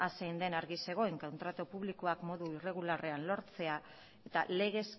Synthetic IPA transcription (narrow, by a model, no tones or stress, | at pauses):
asejnd̪e̞naɾɣise̞ɣ̞o̞eŋkont̪ɾat̪opuβlikoakmo̞ðuire̞ɣulare̞anlo̞ɾt͡se̞a | e̞t̪ale̞ɣ̞e̞s